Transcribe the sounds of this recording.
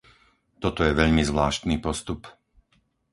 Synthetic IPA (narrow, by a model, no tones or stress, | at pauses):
t̪ɔt̪ɔjɛʋɛʎmizʋlaːʃt̪niːpɔst̪up